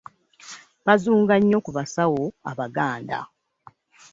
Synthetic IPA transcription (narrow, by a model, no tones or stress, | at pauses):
βazuːŋɡaɲːo̞kuβasawoa̰βaɡaːnda̰